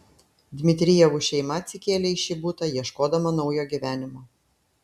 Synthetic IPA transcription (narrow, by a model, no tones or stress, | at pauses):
d̪ʲmʲɪt̪ʲɾʲɪjɛʋuːʃʲɛɪmɐt̪ʲsʲɪkʲeːlʲeɪʃʲiːbuːt̪ɐjiɛʃkoːd̪ɐmɐnɒʊjoːɡʲiʋʲæːnʲɪmoː